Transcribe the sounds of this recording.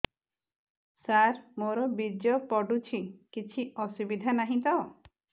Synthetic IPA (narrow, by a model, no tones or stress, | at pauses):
saɾmoɾɔbid͡ʒjɔpɔɖut͡ʃʰikit͡ʃʰiɔsubid̪ʱanaɦĩt̪ɔ